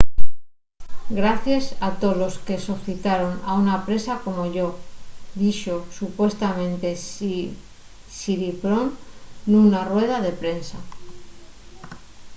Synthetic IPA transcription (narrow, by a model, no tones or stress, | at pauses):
ɡɾaθjesat̪o̞lo̞ske̞soθit̪aɾo̞na̰unapɾe̞sako̞mo̞ʝo̞ðiʃo̞supwe̞st̪amẽ̞nt̪e̞ | siɾipɾo̞nːunarwe̞ð̞aðe̞pɾe̞nsa